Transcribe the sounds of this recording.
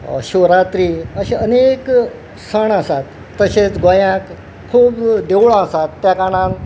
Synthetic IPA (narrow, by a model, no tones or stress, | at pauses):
ɕoɾat̪ɾiːəɕẽənek | səɳasat̪ːəɕet͡sɡojãk | kʰːuːpd̪ewɭõasat̪ːjakaɽ̃ãn